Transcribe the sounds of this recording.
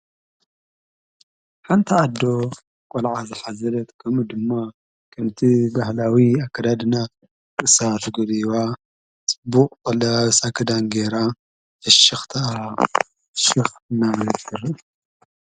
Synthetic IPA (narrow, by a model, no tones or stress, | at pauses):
ħant̪ʰiad̪ːo̞ | kʼɔlʕazɨħazɐlɐt̪kʰɐmud̪ɨmːa | kʰɐmt̪ʰibahlawiakːɐd̪ad̪ɨnat̪̚ʼ | ɨsat̪ʰɡud̪iwa | t͡sʼɨbuqʼkʼɐlɐsakʰɐd̪anɡeɾa | ɐʃɐxt̪ʰa | ʃɪxɨnaβlɐkʰɨɾi